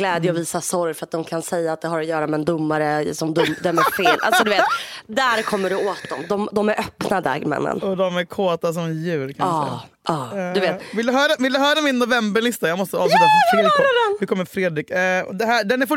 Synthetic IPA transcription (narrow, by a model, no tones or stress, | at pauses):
lɛːd̪jəɔviːsasɔɾjfœɾat̪̚d̪ɔmkʰansɛjːaːt̪̚d̪ɛɦaɾɔjœːɾamɛːnd̪ʊmːaɾəsɔmd̪ʊmːd̪ɛmæfeːlʔa̰lsɔd̪ɵveːt̪t̪d̪æɾkʰɔmːəɖɵoːt̪̚d̪ɔmd̪ɔmd̪ɔmæɾʔœpnad̪ɑ̰ɡmɛ̰nːə̰nɔd̪ɔmæɾkʰoːt̪as̬ɔmjʉ̟ːɾkʰanː | ɑːd̪ɵveːt̪vɪld̪ɵɦœːɾavɪld̪ɵɦœːɾamɪnːʊvɛmbəɭɪst̪ajɑːmɔst̪əɑːsyːt̪aɪfɛnvɪkʰɔmːəɾfɾeːd̪ɾɪkːɔ̰d̪ɛɦæɖ̪ɛnæɾfʊ